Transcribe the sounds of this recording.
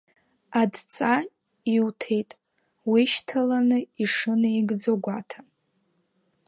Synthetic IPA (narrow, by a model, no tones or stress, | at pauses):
adt͡sʼa | iwtʰe̞jtʼ | wiʃtʰalanɨiʂɨnɨjɡd͡zoɡʷatʰa